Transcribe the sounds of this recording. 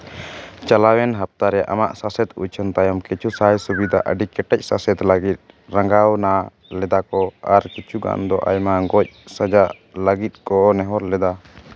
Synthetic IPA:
t͡ʃalawɛnɦap̚t̪aɾɛʔa̰ma̰ʔsasɛt̪ṵt͡ʃʰənt̪ajɔmkit͡ʃʰusaɦajsubid̪ʱaʔəɖikɛʈɛc̚ˀsasɛt̪ləɡit̪̚ | ɾaŋɡawna | lɛd̪akɔaɾkit͡ʃʰuɡa̰nd̪ɔʔa̰jmaɡɔc̚səd͡ʒa | ləɡit̪̚kɔʔɔnɛɦɔɾlɛd̪a

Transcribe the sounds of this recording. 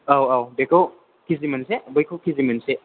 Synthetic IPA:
awawbekʰɐw | kizimɐnsebɔjkʰowkʰizimɐnse

